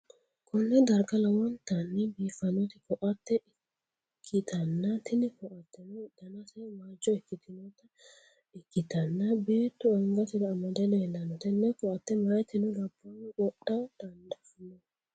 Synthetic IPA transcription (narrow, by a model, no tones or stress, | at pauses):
kʰɔnːɛd̪ɐɾɡɐlɐwɔnt̪ɐnːɛbiːfɐnɔt̪ɪkɔʔɐt̪ːɛʔɪ | kʰːɪt̪ʰɐnːɐt̪ɪnɪkɔʔɐt̪ːɛnʊd̪̥ɐnɐsɛmaːd͡ʒːɔɪkːɪt̪ɪnɔt̪ɐ | ɪkːɪt̪ɐnːɐbeːt̪ːʊɐŋɡɐt̪ɪd̪ɐːmɐd̪ɛnɛɛlːɐnɔt̪ɛnːɛkɔʔɐt̪ːɛmɐjt̪ːɪnʊɾɐbːɔnʔɔɗad̪̥ɐnd̪ɐfnɔ